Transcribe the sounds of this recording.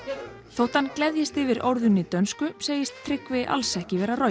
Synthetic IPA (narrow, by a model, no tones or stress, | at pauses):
θowht̪anklɛðjɪst̪ɪvɪɾo̰wɾðʏnɪt̪œnskʏseːjɪst̪ʰːɾɪkvɪʔa̰lsɛhcɪvɛːɾaro